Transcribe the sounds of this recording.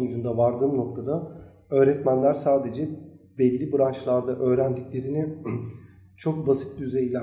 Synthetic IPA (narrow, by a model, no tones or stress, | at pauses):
yd͡ʒ̪ynd̪avaɾd̪ɯːmno̞k̚t̪ʰad̪a | ø̞ːɾɛt̪mænlʲæɾsaːd̪e̞d͡ʒɛ | bɛlʲːibɯɾanʃlˠaɾd̪aʔø̞ːɾænd̪iclʲe̞ɾinɪ | t͡ʃʰo̞k̚basi̥t̪̚d̪yze̞jilʲæ